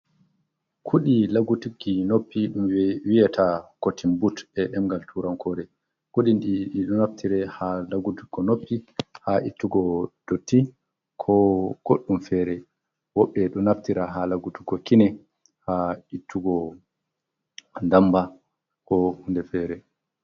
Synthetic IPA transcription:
kʰuɗilaɡutuɡinopːiɗumwijatʰakotʰimbutɛɗɛmɡaltʰuɾamkʰɔɗɛ | kuɗindiɗɔnaftʰiɾɛhalaɡutuɡɔnopːihaʔitːuɡɔd̥otːi | kʰɔɡ̥oɗːumfɛɾɛ | wɔɓːɛɗɔnaftiɾaɦalaɡutuɡɔkinɛ | haitʰːuɡɔ | ndamba | kɔhundɛfɛːɾɛ

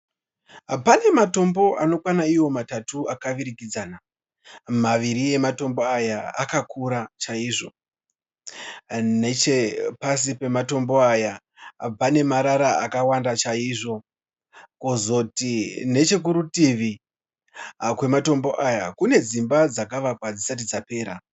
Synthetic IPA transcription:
pane̞mato̞mbo̞ʔano̞kwanaiwo̞matatuakaʋiɾikid͡zana | maʋiɾie̞mato̞mbo̞ajaa̰kakuɾat͡ʃaiːʐo̞ | net͡ʃepas̬ipe̞mato̞mbo̞aja | b͡vane̞maɾaɾaakawandat͡ʃaiːʐo̞ | ko̞zo̞tine̞t͡ʃe̞k̬uɾutiʋi | kwe̞mato̞mbo̞ʔajakune̞d͡zimbad͡zakaʋakwad͡zisat̬id͡zape̞ːɾa

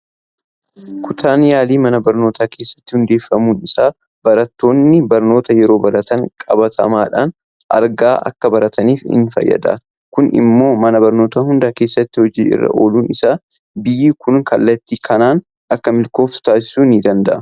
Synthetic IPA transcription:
kʊt̪ʰaːnjaːliːmɐnɐbɐɾno̞ːt̪ʰaːkʰe̞ːsːɐ̥t̪ːɪ̥hʊnd̪e̞ːfːɐmuːnɪsaː | b̥ɐɾɐt̪ːo̞ːnːɪbɐɾno̞ːt̪ɐjɛɾo̞ːbɐɾɐt̪ɐŋkʼɐbɐt̪ʰɐ̰maːᶑa̰ːn | ʔɐ̰ɾɡaːʔɐ̰kːɐbɐɾɐt̪ʰɐniːfɪ̰nfɐ̰jːɐ̰d̪ɐ̰ | kʊnɪ̰mːo̞ːmɐnɐbɐɾno̞ːt̪ɐhʊnd̪aːkeːsːɐt̪ːɪhɔd͡ʒiːɪ̰rːɐ̰ʔo̞ːluːnɪsaː | bɪjiːkʊnkɐlːɐt̪ːiːkʰɐnaːn | ɐkːɐmɪlko̞ːft̪aːsɪ̥suːnid̪ɐnd̪ɐʔɐ

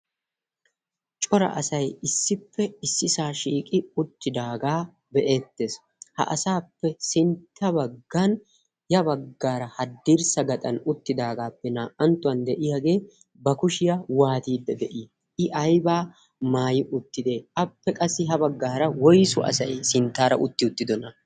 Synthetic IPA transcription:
t͡ʃʼɔɾɐ̰ʔɐsɐjɪsːɪpːɛɪsːɪsaːʃiːkʼɪʊt̪ːɪd̪aːɡaː | bɛʔe̞ːt̪ːeːs | hɐ̰ʔɐsaːpːɛsɪnt̪ʰːɐbɐɡːan | jɐbɐɡːaːɾɐhɐd̪ːiɾsɐɡɐt̪ʼɐnʊt̪ːɪd̪aːɡaːpːɛnaːʔɐnt̪ːʊɐnd̪ɛʔɪjaɡe̞ː | bɐkʊʃɪjawaːt̪iːd̪ːɐd̪ɛʔi | ɪʔɐjbaː | maːjɪʔʊt̪ːɪd̪e̞ːɐpːɛkʼɐsːɪɦɐbɐɡːaːɾɐwɔjsʊ̰ʔɐ̰sɐjsɪnt̪ːaːɾɐ̰ʔʊt̪ːɪʊt̪ːɪd̪ɔnɐ

